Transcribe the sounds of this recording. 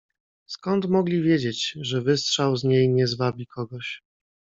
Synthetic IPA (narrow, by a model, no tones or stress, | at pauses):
skɔnt̪mɔɡlʲivʲjed͡ʑet͡ɕʐɛvɘstʂawzɲejɲɛzvabʲikʰɔɡɔɕ